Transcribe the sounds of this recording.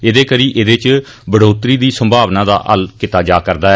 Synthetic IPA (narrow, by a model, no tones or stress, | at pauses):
ed̪eːkəɾiːʔeːd̪eːt͡ʃ | bəɽoːt̪ɾiːd̪iːsəmbʱaːʋnãːd̪a̰ːʔɦə̰lkɪt̪aːd͡ʒaːkəɾd̪aːɛ